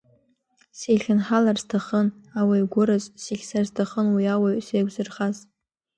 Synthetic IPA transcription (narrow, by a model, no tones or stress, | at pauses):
sejχʲɪnħalarz̥tʰaχənawajɡʷʊɾɨzsiχʲsarztʰaχənwiawaɥsejɡʷzɨrχaz